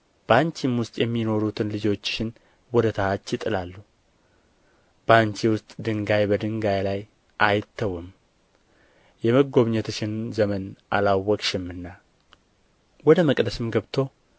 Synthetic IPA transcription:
b̥aɲt͡ʃimwʊst̪ʼjɛmːino̞ɾut̪ʰɨnlɨd͡ʒo̞t͡ʃːʃɪn | wɔd̪ət̪ʰahat͡ʃːjɪt̪ʼɨlalːu | b̥aɲt͡ʃiwʊst̪ʼd̪ɨŋɡajbəd̪ɨŋɡajlaj | ʔajɪt̪ʰːəwɨm | jɛməɡo̞βɲɛt̪ʰʃɪnzəmənʔa̰lawːɔkʼʃɪmːɨnːa | wɔd̪əməkʼd̪əsɨmɡəβt̪ʰo̞

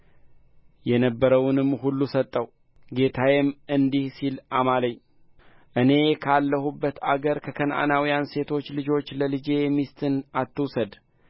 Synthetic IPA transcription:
jɛnəbːəɾəwnɨmːhulːusət̪ʼːəw | ɡe̞t̪ʰajɛmɨnd̪ihsilamaləɲː | ʔɨne̞kʰalːəhubːət̪aɡəɾkʰəkʰənʔa̰nawijanse̞t̪ʰo̞t͡ʃːlɨd͡ʒo̞t͡ʃːləlɨd͡ʒe̞jɛmːist̪ʰɨnat̪ʰːɨwsəd̪

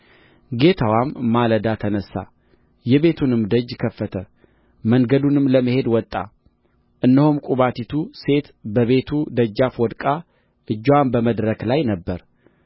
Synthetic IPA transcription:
ɡe̞t̪ʰəwamːaləd̪at̪ʰənəsːa̰ | jɛβe̞t̪ʰunɨmd̪əd͡ʒːkʰəfːət̪ʰə | məŋɡəd̪unɨmːləməhe̞d̪wɔt̪ʼːa̰ | ʔɨnːəhumkʼuβat̪ʰit̪ʰuse̞t̪bəβe̞t̪ʰud̪əd͡ʒːafwɔd̪kʼa | ʔɨd͡ʒːwambəməd̪ɾəklajnəbːəɾ

